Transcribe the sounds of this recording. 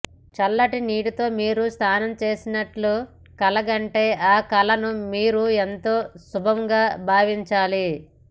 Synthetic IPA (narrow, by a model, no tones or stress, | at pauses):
t͡ʃɐlːɐʈiniːɽut̪o̞ːmiːɾust̪ʰaːnɐmt͡ʃe̞ːsinɐʈlu | kɐlɐɡɐɳʈe̞ːʔaːkɐlɐnumiːɾuent̪o̞ːsubʱɐmɡaːbʱaːʋiɲt͡ʃaːli